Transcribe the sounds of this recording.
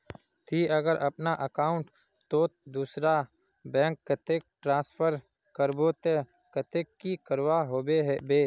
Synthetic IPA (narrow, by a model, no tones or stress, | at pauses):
t̪ʰiːəɡəɾʔɐpnaʔəkaːʊ̃ɳʈ | t̪od̪uːsɾa | bɛ̃ːŋkːət̪eːk̚ʈɾãːspʰəɾ | kəɾboːt̪e | kət̪eːkːikəɾwaɦoːbeɦɛbeː